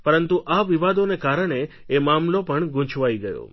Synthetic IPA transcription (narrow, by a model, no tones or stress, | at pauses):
pəɾənt̪uʔaʋiʋad̪onekaɾəɳeː | mamlopəɳɡʊ̃t͡ʃʰʋaiɡəjo̰